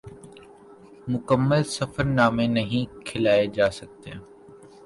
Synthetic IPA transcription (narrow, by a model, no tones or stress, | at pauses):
mʊkəmːəlsɐfəɾnaːmẽnɐɦĩkʰɪlaːed͡ʒaːsɐk̚t̪eː